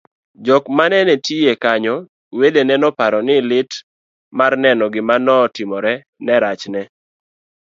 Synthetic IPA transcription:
d͡ʒɔkmanɛnɛtiekaɲɔ | wedenɛnɔpaɾɔnɪlɪt | marnɛnɔɡɪmanɔtɪmɔɾɛ | nɛɾat͡ʃnɛ

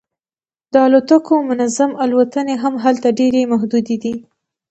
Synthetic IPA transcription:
d̪̥əalot̪əkomʊnazamalwat̪əneɦamɦalt̪aɖeɾemaɦd̪ud̪ed̪i

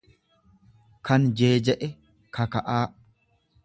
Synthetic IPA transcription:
kʰɐnd͡ʒeːd͡ʒɛʔɛ | kʰɐkɐʔaː

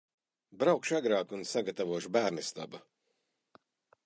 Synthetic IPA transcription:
bɾawkʃaɡɾaːkunsaɡat̪avuɔʃubæːɾnist̪a̰ba

